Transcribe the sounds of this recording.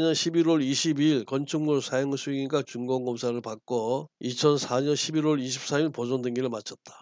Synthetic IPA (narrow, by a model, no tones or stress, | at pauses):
ɲʌnɕʰibiɾoɾiɕʰibiɭkʌnt͡ɕʰɯŋmusʰajoŋsʰuiɡat͡ɕuŋɡʌŋɡʌmsʰaɾɯɭpak̚k͈oit͡ɕʰʌnsʰaɲʌnɕʰibiɾoɭiɕʰip̚s͈aiɭposʌndweŋɡiɾɯɭmat͡ɕʰʌt̚t͈ḁ